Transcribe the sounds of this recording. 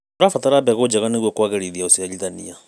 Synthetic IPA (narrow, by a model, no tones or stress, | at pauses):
oɾafataɾabɛɣod͡ʒaɣaneɣwokwaɣaɾiðiaosialiðanḭa